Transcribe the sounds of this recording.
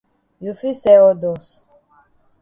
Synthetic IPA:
ju˨fi˦sɛ˦ɔ˦dɔ˨s

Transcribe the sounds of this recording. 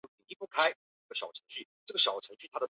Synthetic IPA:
i˨˩ŋi˥pu˥˩kʰa˥ɪ˩˥˩ɡə˩ɕɑ˨˩ʊʈ͡ʂʰɤ˧˥ŋɕy˥˩ʈ͡ʂɤ˥˩ɡə˩ɕɑ˨˩ʊʈ͡ʂʰɤ˧˥ŋɕy˥˩t̪ʰa˥d̪ə˨

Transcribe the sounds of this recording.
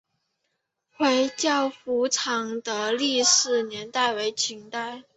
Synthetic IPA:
xwe˧˥ɪt͡ɕjɑ˥˩ʊfu˧˥ʈ͡ʂʰɑ˨˩ŋd̪ə˧li˥˧ʂɻ̩˥˩njɛ˧˥nt̪a˥˩ɪwe˧˥ɪt͡ɕʰi˧˥ŋt̪a˥˩ɪ

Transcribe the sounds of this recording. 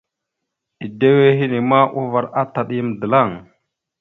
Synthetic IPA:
i˨de˦we˦ɦi˦ni˨ma˦ʔu˦va˨ɾa˦ta˨ɗi˦m˨də˨la˦˨ŋ

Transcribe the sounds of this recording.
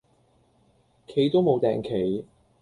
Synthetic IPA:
kʰe˨˥jt̪o˥wmo˨˧wt̪ɛ̰ː˨ŋkʰe˨˥j

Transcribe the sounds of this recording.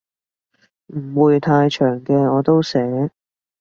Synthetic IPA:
m̩˨˩wuː˨˧jt̪ʰaː˧jt͡ʃʰœː˨˩ŋkɛː˧ɔː˨˧t̪o˥wsɛː˨˥

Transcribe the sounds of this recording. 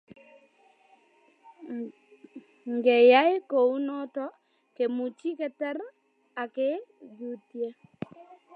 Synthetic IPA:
ŋɡɛ˨ja˦e˦ko˨u˦nɔ˦tɔ˦ | ke˨mu˨t͡ʃi˦kɛ˦˨tɛ˦ɾ | a˨ke˦d͡ʒu˦tje˦

